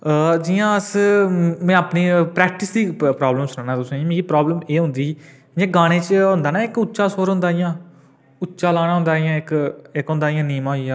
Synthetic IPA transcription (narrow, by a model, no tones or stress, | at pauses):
d͡ʒɪjãːəs | mɛ̃ːaːpniːpɾɛːk̚ʈɪsd̪iːpɾaːbləmsʊnãːnãːt̪ʊsõãmĩːkipɾaːbləmeːɦʊ̃nd̪iː | d͡ʒẽːɡaːɽ̃ẽːt͡ʃɦʊ̃nd̪aːnaːɪkʊtːʃaːsoːɾɦʊ̃nd̪aːjãː | ʊtːʃaːlaːñaːɦʊ̃nd̪aːɪjãːɪkɪkɦʊ̃nd̪aːɪjãːniːmãːɦijãː